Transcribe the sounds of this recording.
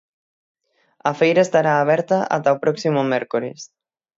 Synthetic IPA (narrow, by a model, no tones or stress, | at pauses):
ɐfejɾaest̪aɾaːβ̞ɛɾt̪aʔa̰t̪aopɾɔksimʊmɛɾkoɾḛs